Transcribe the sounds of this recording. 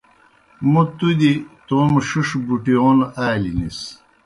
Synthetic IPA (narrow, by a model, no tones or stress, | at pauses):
mut̪ud̪it̪oːmʂiʂbuʈijoːnaːlinis